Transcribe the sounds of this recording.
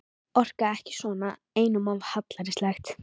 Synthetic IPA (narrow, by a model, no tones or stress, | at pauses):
ɔr̥kaɛhcɪ̥svɔna | eːjnʏmavhat̪laɾɪslɛxt̪